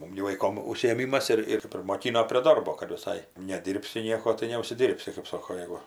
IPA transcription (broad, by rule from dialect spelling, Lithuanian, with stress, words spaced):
ˈmʊm ɡʲɪ ʋɐɪˈkoːm ʊʃʲsʲɪeːˈmʲiːmɐs ˈɪr ɪr pʲrʲɪmoːˈkʲɪnoː pʲrʲiɛ ˈdɐrboː kɐt ʋʲɪˈsɐɪ nʲɛˈdʲiːrʲpʲsʲɪ ˈnʲiɛkoː tɐɪ nʲɛʊʃʲsʲɪˈdʲiːrʲpʲsʲɪ kɐɪp ˈsoːkoː ˈjæːɡʊ